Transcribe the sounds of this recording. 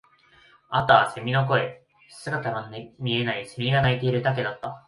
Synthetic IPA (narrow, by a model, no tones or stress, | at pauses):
at̪aːse̞mʲino̞ko̞e̞ | sɨɡat̪aɡanmʲie̞naise̞mʲiɡanait̪e̞iɾɯ̟d̪ak̬e̞d̪at̪ːa